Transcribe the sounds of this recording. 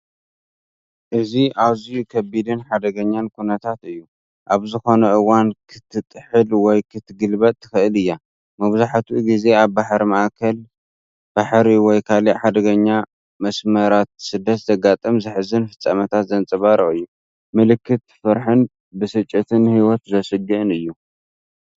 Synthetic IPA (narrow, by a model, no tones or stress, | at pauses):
ʔɨziʔaβzijukʰɐbid̪ɨnħad̪ɐɡɐɲːankʰunɐt̪ʰat̪ɨjːu | ʔaβzɨxo̞nɐʔɨwankʰɨt̪ʰːɨt̪ʼħɨlwɔjkʰɨt̪ʰːɨɡɨlbɐt̪ːɨ̥xɨɨlɨjːa | mɐβzaħt̪ʰuɡize̞aβːaħɾimɐʔakʰɐl | b̥aħɾiwɔjkʰaliʔħad̪ɐɡɐɲːa | mɐsmɐɾat̪sɨd̪ːɐt̪zɐɡat̪ʼɐmzɨħɨzɨnfɨt͡sʼːɐmɐt̪ʰat̪zɐnt͡sʼɨβaɾɐʔɨjːu | mɨlɨkʰːɨt̪fɐɾħɨn | bɨsɨt͡ʃʼːit̪ʰɨnhiwɔt̪zɐsɨd͡ʒiʔɨnɨjːu